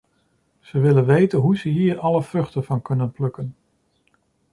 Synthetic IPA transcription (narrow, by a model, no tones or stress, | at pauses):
z̥əʋɪlənʋejtənɦuzəɦiːɹɑləv̥rɵχtəv̥ɑnkɵnənplɵkən